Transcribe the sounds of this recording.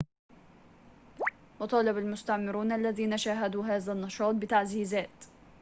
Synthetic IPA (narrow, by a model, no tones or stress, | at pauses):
wɑt̪ˤɑːlɪbalmʊst̪aʕmɪɾuːnʔalːaðiːnaʃaːɦad̪uːɦaːðanːɑʃɑːt̪̚bɪt̪aʕziːzaːt̪